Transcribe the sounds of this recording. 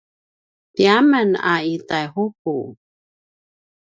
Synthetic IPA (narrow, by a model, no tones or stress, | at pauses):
piaməna̰itajhup̚ṵ